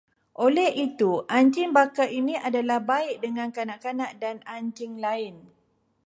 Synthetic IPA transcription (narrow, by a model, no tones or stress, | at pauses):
ʔolɛhit̪uʔaɲt͡ʃɪŋbakaʔinĩʔadalahbaɪʔ̚dəŋãnkanaʔkanãʔdanaɲd͡ʒɪŋlaɪn